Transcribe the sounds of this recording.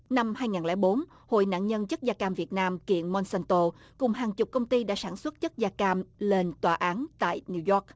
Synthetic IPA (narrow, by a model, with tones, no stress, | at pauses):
na˧mhaː˧jŋaː˨˩nlɛ̰˧˩˦ɓo˨˦n | ho̰˧˨jna̰ː˧˨nɲə˧nt͡ɕə˦˥t̚zaː˧kaː˧mvi˨˩ət̚naː˧mkḭ˧˨ənmɔ˧nsɛ˧nt̪o˧ | kʊ˨˩ŋ͡mɦaː˨˩ŋt͡ɕʊ˨˩k͡p̚kə˧wŋ͡mt̪i˧ɗa̰ː˧˥saː˧˩nswə˦˥t̚t͡ɕə˦˥t̚zaː˧kaː˧mle˧nt̪waː˨˩ʔaː˨˦nt̪a̰ː˧˨jni˧wzɔ˦˥k̚